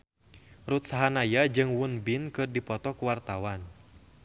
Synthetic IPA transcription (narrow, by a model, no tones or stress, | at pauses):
rut̪̚saɦanajad͡ʒɨŋwunbinkɨrdipɔt̪ɔkuwart̪awan